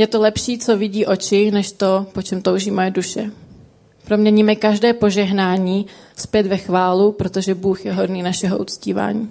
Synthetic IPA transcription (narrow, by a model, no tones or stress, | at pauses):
jɛt̪o̞lɛpʃiːt͡so̞vɪɟiːʔo̞t͡ʃɪnɛʃt̪o̞po̞t͡ʃɛmt̪owʒiːmojɛduʃɛ | pɾo̞mɲɛɲiːmɛkaʒdɛːpo̞ʒɛɦnaːɲiːspjɛt̪vɛxvaːlupɾo̞t̪o̞ʒɛbuːxjɛɦo̞dniːnaʃɛɦoʔut͡sciːva̰ːɲḭː